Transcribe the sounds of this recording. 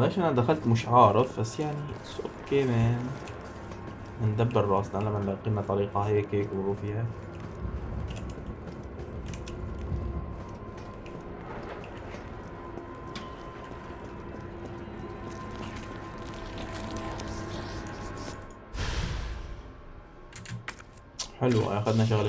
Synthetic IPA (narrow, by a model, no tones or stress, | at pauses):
leːʃʔanad̪axalt̪mʊʃʕɑːɾˤɑðˤbasːjaʕnisʔokːeːmeːn | ʔɪnd̪abːɪɾɾˤɑːsˤnalamalqiːmːat̪ˤɑɾiːqɑheːkeːkwɾˤuːfiːha | ħɪlw̰ʔaxad̪naʃ̬aɣl